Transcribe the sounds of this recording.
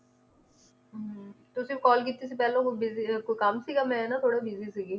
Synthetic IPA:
t̪ʊsĩkɔːlkiːt̪ːis̬iːpɛːlõːkobɪzikoːikəmsiːɡamɛ̃ɛːnaːt̪ʰoːɽabɪziːsiːɡiː

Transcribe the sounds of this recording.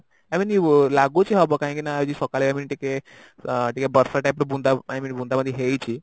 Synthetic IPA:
amiːnilaɡut͡ɕiɦɔbɔkaɦĩkinaːjd͡ʑisɔkaleaminʈike | ʈikebəɾsaʈajpɾbund̪aaminbũnd̪aməd̪ʱjeɦejt͡ɕi

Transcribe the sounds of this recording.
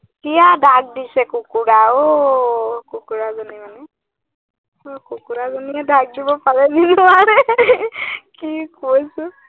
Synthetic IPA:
kijadʱaɡ̚disɛkukuɹao | kukuɹazɔnimanɛ | okukuɾazɔniadaɡ̚d͡ʒibɔpaɹɛninʊaɹɛ | kikosʊ

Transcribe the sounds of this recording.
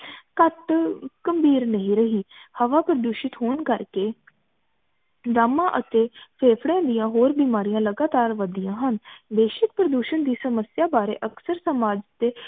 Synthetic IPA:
kət̪kəmbiːɾnəɦĩːɾəɦiːhəʋaːpɾəd̪uːʃɪt̪ɦoːnkəɾkeː | d̪aːmãːʔət̪eːpʰeːpʰɽãːd̪ijãːɦoːɾbiːmaːɾijãːləɡaːt̪aːɾʋəd̪ijãːɦənbeːʃɪk̚pɾəd̪uːʃənd̪iːsəməsjaːbaːɾḛːʔəksəɾsəmaːd͡ʒt̪eː

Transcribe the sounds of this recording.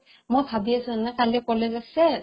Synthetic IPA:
mojpʰabiasuanɛkalɛkɔlezasɛ

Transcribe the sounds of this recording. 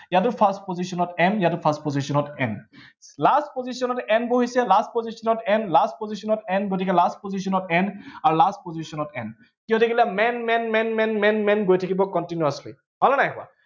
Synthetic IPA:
jatʊpʰastpozisɔnɔtɛmjatʊpʰastpozisɔnɔtɛnlastpozisɔnɔtɛnboɦisɛlast̚pozisɔnɔtɛnlast̚pozisɔnɔtɛnɡotikɛlastpozisɔnɔtɛnaɹulastpozisɔnɔtɛn | kiɔ̃dekilamɛnmɛnmɛnmɛnmɛnmɛnɡojtʰakibɔkɔntinuaslḭ | ɦɔlɔnajkʊa̰

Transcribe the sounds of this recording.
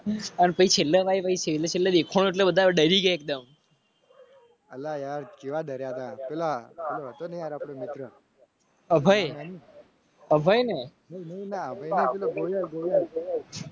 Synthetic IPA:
ənpəit͡ʃʰelːəʋajʋəit͡ʃʰelət͡ʃʰelːəd̪ekʰoɽ̃õeʈlebəd̪ʱaɖəɾiɡəek̚d̪əm | əlːajaɾkeʋad̪ʱəɾjat̪apelapeloɦət̪onəɦĩaɾapɽ̃emɪt̪ɾə | əbʱaji | əbʱəjneninəɦĩnaəbʱajnepelaɡojaɡoja

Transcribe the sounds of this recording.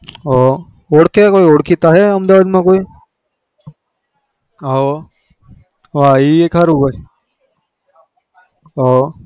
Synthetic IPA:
ɦo | oɽkekoioɽkʰit̪aɦɛəmd̪aʋaːd̪mãkoːiː | ɦo | ʋaiekɦəɾuɡai | ɦo

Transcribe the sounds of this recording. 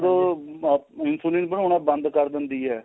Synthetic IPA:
d̪o | ɪnsulĩːnpəɳʊnãːbənd̪kəɾd̪ɪnd̪iːɦɛː

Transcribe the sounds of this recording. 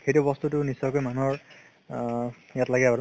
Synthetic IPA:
xejtʊbɔstutʊnisɔjkojmanuɦɔɹ | jatlaɡiapaɹ

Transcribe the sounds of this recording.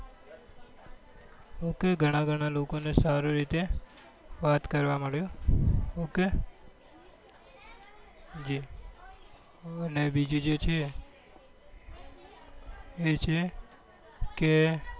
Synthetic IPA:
okeɡʱəɽ̃aɡʱəɽ̃alokonesaɾoɾit̪e | ʋat̪kəɾʋaməɭjõ | oke | d͡ʒi | ənebid͡ʒũd͡ʒet͡ʃʰe | t͡ʃʰe | ke

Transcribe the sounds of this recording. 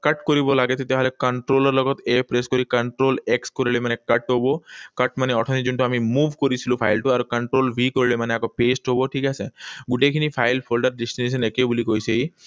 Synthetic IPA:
kəʈkɔɾibɔlaɡet̪et̪eɦalekəɳʈɾoləɾlɔɡɔt̪epɾeskɔɾikəɳʈɾoːlekskɔɾiɭemanekəʈɦobɔkəʈmaneɔʈʰɔ̃nid͡ʒuɳʈ̪uamimuːʋʱkɔɾit͡ʃʰilupʰa̰jlʈuaɾkəɳʈɾoːlʋikɔɾiɭemaneakɔpesʈɦobɔʈʰiːkaseɡuʈekʰinifʰajlpʰolɖəɾɖesʈines̬ənekebulikojsei

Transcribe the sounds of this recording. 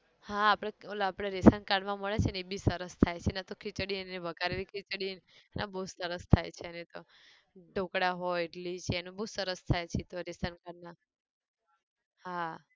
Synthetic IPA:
hãːpɽ̃eolapɽ̃eɾesənkaɽmãməɭet͡ʃʰenebisəɾəst̪ʰajt͡ʃʰenat̪okʰit͡ʃɽinnebʱəkaɾeɾikʰit͡ʃɽinnʔa̰bəusəɾəst̪ʰajt͡ʃʰeənet̪o | ɖʱokɽaɦɔeʈlit͡ʃʰeːnũbəusəɾəst̪ʰajt͡ʃʰet̪oɾesənkaɽna | hã

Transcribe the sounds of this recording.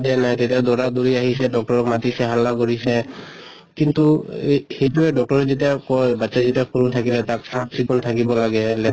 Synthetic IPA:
dɛnajtetiadɔɹaduɹiaɦisɛdɔk̚tɔɹɔkmatisɛɦalːakoɹisɛ | kintuhejtuɛdɔk̚tɔɹɛzitakɔjbatːsazitiakʰɔɹutʰakilɛtaksapsikuntʰakibɔlaɡɛlɛ

